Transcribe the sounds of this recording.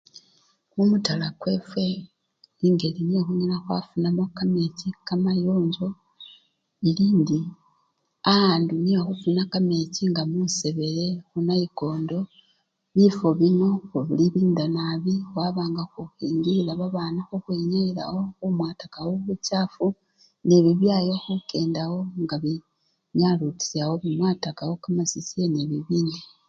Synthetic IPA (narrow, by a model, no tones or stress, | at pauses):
kumutalakwe̞fwe̞ | liŋɡe̞liniexuɲinaxwa̰funamakame̞cikamajoːɲɟo̞ | iliːndi | ahaːnduniβaxufunakame̞ciŋɡamuse̞βe̞ɾe̞xunaiɡo̞ːndo̞ | βifo̞βino̞uβiliβiːndanaβiwaβaːŋɡaxuxiːŋɡiilaβaβaːnaxuxweɲeila̰wo̞xumwaːtakawoβucaːfu | neβiβjajo̞xuke̞ːndawo̞ŋɡaβi | ɲaluti̥sawoβimwaːtakawokamasisieneβiβiːndi